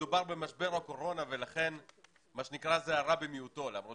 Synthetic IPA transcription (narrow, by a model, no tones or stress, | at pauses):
ubaʁbe̞maʃbe̞ʁako̞ʁo̞nave̞laχe̞n | maʃenikʁazeaʁabemijut̪o̞lamʁo